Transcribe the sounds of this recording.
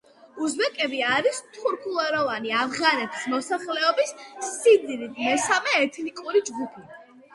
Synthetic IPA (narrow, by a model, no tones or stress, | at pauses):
uzbɛkʼɛbiaɾist̪ʰuɾkʰulˠaɾɔvaniavʁanɛt̪ʰi̥smɔsaχlɛɔbissid̪nimɛsamɛːt̪ʰnikʼuɾid͡ʒɡupʰi